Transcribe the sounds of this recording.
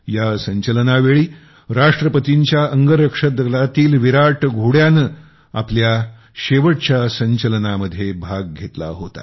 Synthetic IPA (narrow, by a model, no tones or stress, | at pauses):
jasəɲt͡ɕələnaʋeɭiː | ɾaʂʈɾəpət̪iɲt͡ɕjaʔəŋɡəɾəkʂəd̪lat̪iːlʋiɾaʈɡʱoɽjanə | aplja | ɕeʋəʈ̚t͡ɕjasəɲt͡ɕələnaməd̪ʱjebʱaɡ̚ɡʱet̪la̰ɦot̪a̰